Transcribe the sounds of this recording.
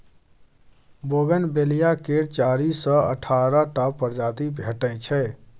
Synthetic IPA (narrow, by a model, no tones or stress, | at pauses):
boɡənbelijakeɾt͡ʃaɾisə̃ə̰ʈʰaɾəʈapəɾd͡ʒad̪ibʱeʈə̃t͡ʃʰɛ